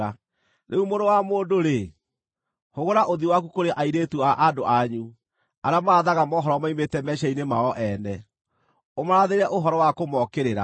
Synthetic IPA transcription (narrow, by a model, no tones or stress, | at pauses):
a | nʔeumonowamoːndoɾe | hoɣoɾaʔoðiwakukoɾeʔaiɾetuaʔadoʔaɲu | aɾeamaaðaɣamɔɦɔɾɔmaimetɛmɛʃainemaɔʔɛnɛ | omaɾaðeɾɛʔoɦɔɾɔwakomɔkeɾeɾa̰